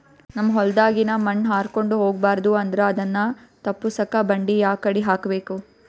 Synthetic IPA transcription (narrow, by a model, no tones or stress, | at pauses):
nɐmːɐɦɔld̪aːɡinɐmɐnːɦaːɾko̞ɳɖuɦo̞ːɡbaːɾɐd̪uɐnd̪ɐɾeɐd̪ɐnːɐt̪ɐpːusɐkɐbɐɳɖijaːkɐɽiɦaːkɐbe̞ːku